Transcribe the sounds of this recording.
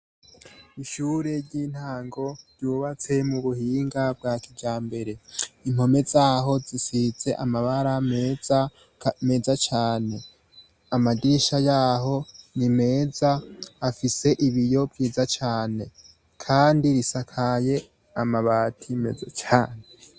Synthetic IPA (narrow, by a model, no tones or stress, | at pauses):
iʃuɾe̞ɾɟiːn̥haːŋɡo̞ɾjuːβat͡se̞muβuhiːŋɡab̚ɡaːkiɡɟaːmbe̞ɾe̞im̥ho̞me̞zaːɦo̞zisize̞ʔamaβaɾamea | me̞ːzat͡ʃaːne̞ | amadiʃajaːɦo̞nime̞ːzaːfise̞ʔiβijo̞bɡiːzat͡ʃaːne̞ | kʰaːndiɾisakʰaje̞ | amaβaːtʰime̞zat͡ʃaːne